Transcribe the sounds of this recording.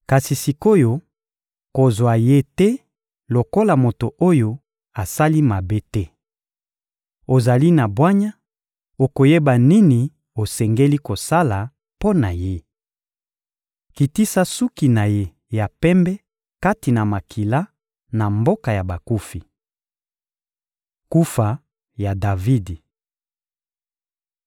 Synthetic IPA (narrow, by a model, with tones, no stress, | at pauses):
ka˨si˨si˨ko˦jo˦ | ko˨zwa˨je˦tɛ˦ | lo˨ko˦la˨mo˨to˨ʔo˦jo˦ | a˨sa˦li˦ma˨be˦tɛ˦ | o˨za˨li˦na˨bwa˦ɲa˦ | o˨ko˨je˦ba˨ni˦ni˨ | o˨sɛ˨ŋɡe˦li˦ko˨sa˦la˨ | po˦na˨je˦ | ki˨ti˦sa˦su˦ki˨na˨je˦ | ja˨pɛ˦mbɛ˦ | ka˦ti˨na˨ma˨kʰi˨la˦ | na˨mbo˦ka˨ja˨ba˨ku˦fi˨ | ku˦fa˨ | ja˨da˨vi˦di˨